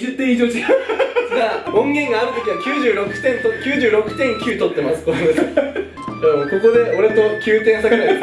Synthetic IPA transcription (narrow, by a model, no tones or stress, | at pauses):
ɨt̪ːẽid͡ʑoːt͡ɕisɡ̪aõŋɡẽ̞ŋɡaːɾɯ̟t̪o̞kʲiɲiβakʲɨːʑɨːɾo̞kɯ̟̥t̪ẽ̞nt̪okʲɨːʑɨːɾo̞kɯ̟̥t̪ẽ̞ŋkʲɨːt̪o̞t̪ːe̞masɨ̥t̪oona | ɯ̃ːko̞ko̞d̪e̞o̞ɾe̞t̪o̞kʲʰɨːt̪ẽɰ̃sakea